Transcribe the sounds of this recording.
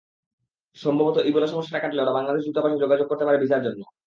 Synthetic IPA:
ʃɔmbʱabot̪oʔibolaʃɔmoʃːaʈakaʈileoʈabaŋlad̪eʃ̬d̪ut̪apaʃed͡ʑoɡad͡ʑoɡ̚koɾt̪epaɾebit͡ɕaɾd͡ʑonːo

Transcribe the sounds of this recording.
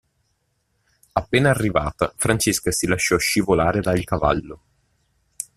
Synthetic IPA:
apːeːnaːrːiva̰ːt̪afɾant͡ʃeskasilaʃːɔʃivolaːɾed̪ailkava̰lːo

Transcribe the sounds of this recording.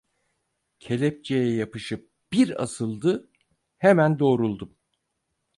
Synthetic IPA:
cʰe̞lʲɛp̚t͡ʃejɛjapɯʃɯp̚b̥iɾa̰sɯlˠd̪ɯ | hemænd̪o̞ːɾulˠd̪um

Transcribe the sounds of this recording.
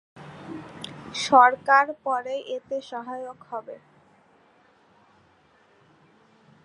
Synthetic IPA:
ʃɔɾkaɾpɔɾejʔet̪eʃɔɦajokhɔbe

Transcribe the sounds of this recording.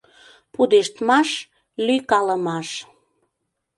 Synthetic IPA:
pud̪eʃt̪mɑʃ | lykɑləmɑʃ

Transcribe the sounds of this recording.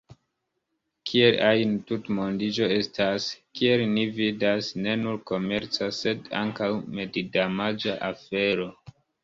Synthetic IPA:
kʰielajntutmondid͡ʒo̞e̞staskie̞lnividasne̞nuɾko̞me̞ɾt͡sase̞da̰ŋkawme̞didamad͡ʒaʔafe̞ɾo̞

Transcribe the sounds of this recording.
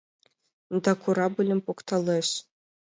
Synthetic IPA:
d̪ɑkʰuɾɑbɘ̆lʲɘ̆mʲpokt̪ɑlˠɤɕ

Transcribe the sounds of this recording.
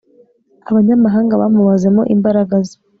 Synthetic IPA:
aβaɲamaɦaːŋɡaβa̰muβaze̞mo̞̰ʔimbaɾaɡaze̥

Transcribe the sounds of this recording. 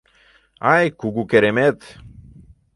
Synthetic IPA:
ajkuɡukeɾemet̪

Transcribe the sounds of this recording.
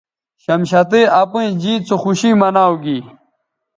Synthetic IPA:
ɕɐmɕɐt̪̬eɐpũĩd͡ʑiːt͡soxuɕimɐnaːwɡi

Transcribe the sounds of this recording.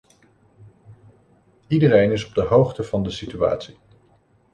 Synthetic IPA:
idərejnɪsɔb̚dəɦowχtəv̥ɑndəsitya̰ːtsi

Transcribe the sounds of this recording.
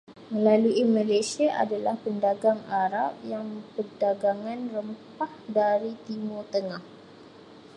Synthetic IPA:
mə̃laluimãlasiaʔa̰dalahpəndaɡaŋaɾap̚jaŋpərdaɡaŋãnrəmpahdaɾit̪imʊrt̪əŋah

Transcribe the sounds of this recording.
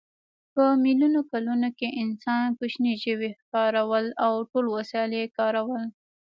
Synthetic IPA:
pəmilunokalunokeʔɪnsɑnkʊʃniʒəwexkɑɾawəlawʈolwasɑljekɑɾawəl

